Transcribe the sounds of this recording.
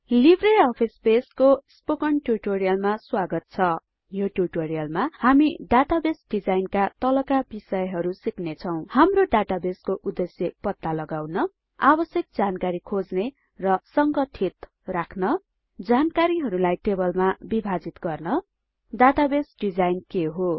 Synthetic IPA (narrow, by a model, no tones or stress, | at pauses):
libʱreʌpʰespeskospokʌɳʈuʈorijʌlmaswaɡʌt̪̚t͡sʰʌ | joʈuʈorijʌlmahamiɖat̪abesɖid͡zajnkat̪ʌlʌkabisʌjɦʌɾusiknet͡sʰʌw̃hamroɖatabeskoʔud̪esjepʌt̪ːalʌɡawnʌ | abʌsjek̚d͡zankaɾikʰod͡zne | rʌsʌŋɡʌt̪ʰit̪ | rakʰnʌ | d͡zankaɾiɦʌɾulajʈebʌlmabibʱad͡zit̪ɡʌrnʌ | ɖat̪abesɖid͡zajnkeɦo